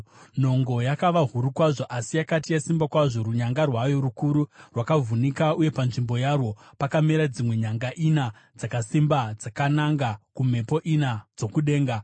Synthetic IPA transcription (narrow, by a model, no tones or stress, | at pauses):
n̤o̞ŋɡo̞jakaʋaɦuɾukwaʐo̞ʔasijakatijasimbakwaʐo̞ruɲaŋɡarwajo̞ɾukuɾurwakavunikauje̞panʐimbo̞jarwo̞ | pakameɾad͡zimwe̞ɲaŋɡaʔina | d͡zakasimbad͡zakanaŋɡakum̤e̞po̞ʔinad͡zo̞kuɗe̞ːŋɡa